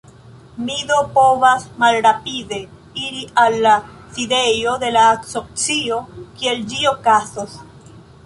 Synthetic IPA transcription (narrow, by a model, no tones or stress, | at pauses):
miðopoβasmalɾapiðe̞ | iɾialːa | siðejoðe̞laːksok̚t͡siokield͡ʒiokasos